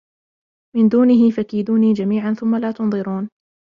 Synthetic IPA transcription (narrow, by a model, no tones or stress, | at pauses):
mɪnd̪uːnɪɦɪfakiːd̪uːniːd͡ʒamiːʕanθʊmːalaːt̪ʊnðˤɨɾuːn